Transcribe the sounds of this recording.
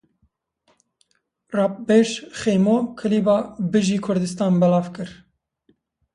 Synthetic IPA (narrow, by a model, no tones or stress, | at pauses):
rɑːp̚beʃxejmokʰɨliːbɑːbɨʒiːkʰʊɾd̪ɨst̪ɑːnbɛlɑːvkɨɾ